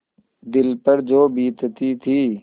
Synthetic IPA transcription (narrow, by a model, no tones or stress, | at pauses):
d̪ɪlpəɾd͡ʒoːbiːt̪t̪iːt̪ʰiː